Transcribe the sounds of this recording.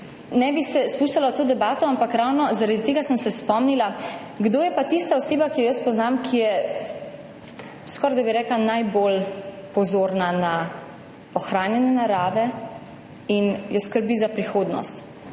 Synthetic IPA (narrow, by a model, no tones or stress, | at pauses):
nɛbisɛspuːʃt̪alat̪oːd̪ɛbaːt̪ɔampakɾawnɔzaɾad̪it̪eːɡasəmsɛspɔmnila | ɡd̪oːjɛpat̪ist̪aɔseːbakijɔjəspɔznamkʰijɛ | skɔːɾd̪abiɾɛːklanajbol | pɔzoːɾnana | ɔxɾaːnjɛnɛnaɾaːʋɛ | injɔskəɾbizapɾixoːd̪nɔ̰st̪